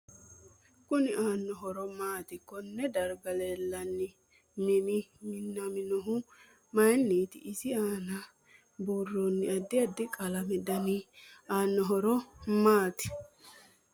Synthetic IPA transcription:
kʊnɪʔaːnːɔɦɔɾɔmaːt̪ɪkːɔnːɛd̪ɐɾɡɐlelːɐnːɪ | nɛnɪmɪnːɐmɪnɔɦʊ | mɐjnːiːt̪ɪ̰ʔɪsɪaːnɐ | borːonːɪɐd̪ːɪɐd̪ːɪkʼɐlɐmɛd̪ɐnɪaːnːɔɦɔɾɔmaːt̪ɪ̥

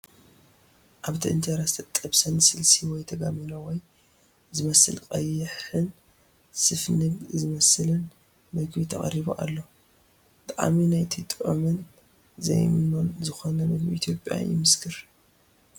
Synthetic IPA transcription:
ʔaβt̪ʰiɨ̰nt̪ʰeɾast̪ʰɐt̪ʼːɐβsɐnsɨlsiwɔjt̪ʰɐɡaminowɔj | zɨmɐsɨ̰lkʼɐjːɨħɨn | sɨfnɨɡzɨmɐsɨlɨn | mɐɡbit̪ʰɐχʼɐ̰ɾiβo̰ʔa̰lːo̞ | t̪ʼaʔa̰minajt̪ʰɨt̪ʼʔʼomɨn | zɐ̰jmɨnonzɨxonɐmɐd̪miʔit̪ʰjo̞pʼja̰jɪ̰mɨskʰɨɾ

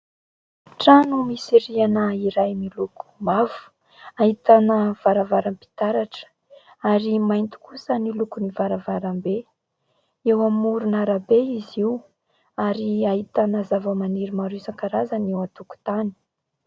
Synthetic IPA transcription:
ʈ͡ʂanumiseɾianəiɾajmiluku̥mavu̥ | aɦit̪anəv̥aɾavaɾampi̥t̪aɾaʈ͡ʂə̥ | aɾimajnt̪i̥kusənilukunivaɾavaɾambe | ewamuɾunaɾabeiziw | aɾiahit̪anəzavəmaniɾimaɾusaŋkaɾazanewat̪uku̥t̪ani̥

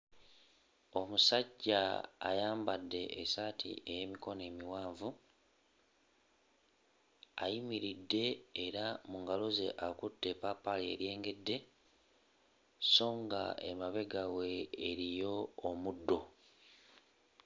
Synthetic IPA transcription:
o̞musaɟːa̰ːjaːmbadːe̞ʔesatʰḭe̞jemiko̞ne̞ːmiwaːɱvu | a̰jimiɾidːe̞ːɾamuŋɡalo̞ze̞̰ʔakutːe̞papːaliḛɾje̞ːŋɡe̞dːe̞ | so̞ːŋɡa̰e̞̰maβe̞ɡawe̞ːɾijo̞ːmudːo̞

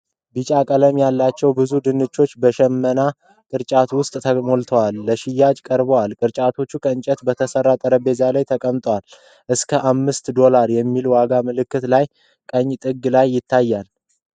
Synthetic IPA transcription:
bɨt͡ʃʼakʼələmjalːat͡ʃːɛwbɨzud̪ɨnɨt͡ʃːo̞t͡ʃːbəʃɛmːəna | kʼɨɾt͡ʃʼat̪wʊst̪ʼt̪ʰəmo̞lt̪ʰəwalːəʃɪjːad͡ʒkʼəɾbəwalkʼɨɾt͡ʃʼat̪ʰo̞t͡ʃːukʰəɨnt͡ʃʼɛt̪bət̪ʰəsərːat̪ʼəɾəbe̞zalajt̪ʰəkʼəmt̪ʼwal | ʔɨskʰəʔamːɨst̪d̪o̞laɾjɛmːilwaɡamɨlɨkːɨt̪laj | kʼəɲːt̪ʼɨɡlajːɪt̪ʰːajːal

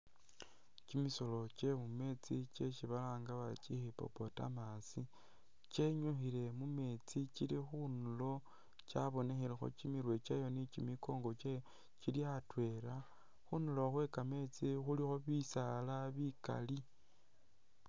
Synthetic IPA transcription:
cimiso̞lo̞t͡ʃe̞mume̞t͡sice̞ʃiβalaːŋɡaβat͡ʃixipo̞̰po̞ta̰masi | t͡ʃeɲuxile̞mume̞t͡sit͡ʃilixunulo̞ | t͡ʃa̰βo̞ne̞xelexo̞̰t͡ʃimiɾwe̞t͡ʃajo̞nit͡ʃimiko̞ːŋɡo̞t͡ʃajo | ciliatwe̞ɾa | xunuloxwe̞kame̞t͡sixulixo̞βisalaβika̰li

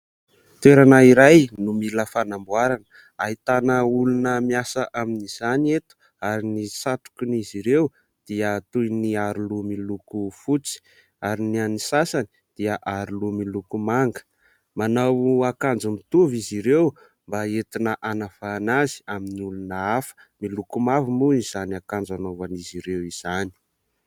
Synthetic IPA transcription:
t̪eɾanaiɾajnumiləfanambuaɾanə | ait̪anəulunəmiasəʔaminiz̥anet̪u̥ | aɾinisat̪u̥kiniziɾew | d̪̥iət̪ujniaɾulumilukufut͡si̥ | aɾinianisasani̥ | d̪̥iəʔaɾulumilukumaŋɡə̥ | manawuakand͡zumit̪uviziɾew | mbaet̪inəʔanafaːnazi̥aminiulunəafə̥ | milukumavimuiz̥aniakand͡zanovaniziɾewiz̥ani̥

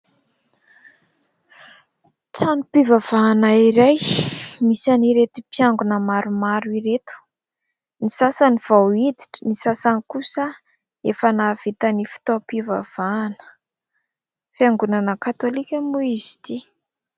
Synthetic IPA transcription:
ʈ͡ʂanipivav̥aːnaiɾajmisaniɾet̪upjaŋɡunəmaɾumaɾiɾet̪u̥ | nisasəniv̥awid̪iʈ͡ʂə̥nisasanikusə | efənav̥it̪anifi̥t̪opiva̰v̥aːnə̥ | fiaŋɡunanəkat̪olikʲəmuizi̥t̪i

